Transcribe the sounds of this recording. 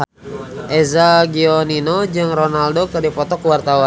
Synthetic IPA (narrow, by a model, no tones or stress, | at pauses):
ʔezaɡioninod͡ʒɨŋronaldokɨrdipɔt̪ɔkwart̪awa